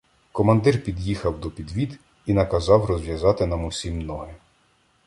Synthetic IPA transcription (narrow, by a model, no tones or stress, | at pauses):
kɔmɐnd̪ɪrpʲid̪jixɐwd̪ɔpʲid̪ʋʲid̪ | inɐkɐzɑwrɔzʲʋʲjɐzɑt̪ɪnɑmʊsʲimnɔɦɪ